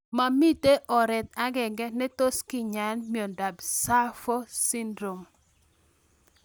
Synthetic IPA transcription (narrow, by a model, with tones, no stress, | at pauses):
ma˨mi˦te˦ʔɔ˨ɾɛ˨t̪̚a˦ɡɛ˨ŋɡɛ˦nɛ˦to˦skɪ˨ɲa˨nmi˨o˨nda˨bsa˦fɔ˦si˦ndɾo˨m